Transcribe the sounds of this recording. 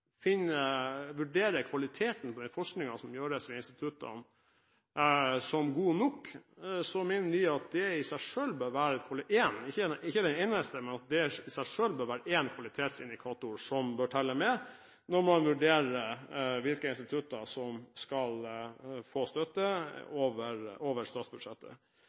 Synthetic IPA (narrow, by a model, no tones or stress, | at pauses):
fɪnəʋʉɖeːɾəkʰʋɑlɪt̪ʰeːt̪n̩pʰɔd̪ɛfɔʂknɪŋɑsɔmjøːɾəsʋɛɪnst̪ɪt̪ʰʉt̪ɑ̰n | sɔmɡuːnɔkːsɔmeːnəʋɪɑt̪̚d̪ɛɪsæɪʂøːlbœːɾʋæːɾɛt̪kʰʋɑleːnɪçːəɪçːəd̪ɛneːnəst̪əmɛnɑt̪̚d̪ɛɪsæɪʂøːlbœːɾʋæːɾəeːnkʰʋɑlɪt̪ʰeːt̪sɪnd̪ɪkʰɑːt̪ʊɾsɔmbøːʈʰɛlːəmɛ | nɔɾmɔɑnʋʉɖeːɾəʋɪlkəɪnst̪ɪt̪ʰʉt̪ːɑsɔmskɑlfoːst̪œt̪ːəoːʋəɾoːʋəɾst̪ɑːt̪sbʉd̪ʂɛt̪ːə̰